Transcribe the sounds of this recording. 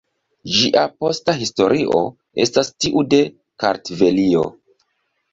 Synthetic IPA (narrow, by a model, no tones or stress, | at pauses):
d͡ʒiʔapo̞staɦisto̞ɾʔiʔo̞̰ | e̞̰stastiʔude̞ | ka̰ɾtve̞lio̞̰